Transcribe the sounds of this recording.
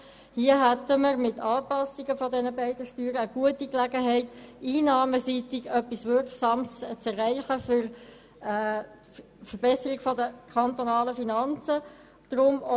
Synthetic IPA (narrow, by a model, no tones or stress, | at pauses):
hiəɦæt̪əməɾmɪtɑːpɑsiɡəfɔdɛnəbæɪdəʃtyːɾəːɡ̥uətiklæɡəɦɛɪtiːnɑːməsitɪɡœpːisʋɪɾksɑːmst͡sɛræɪχəfʏɾ | fəɾbɛsəɾiɡ̥fɔdəkʰɑnt̪onɑːləfinɑnt͡sə | d̪̥ʁʊmo